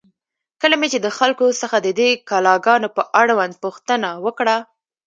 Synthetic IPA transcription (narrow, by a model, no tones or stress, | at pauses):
kəlamet͡ʃed̪əxalkosəxad̪əd̪ekɑlɑɡɑnopəʔaɽwand̪̚puxt̪ənawəkɽa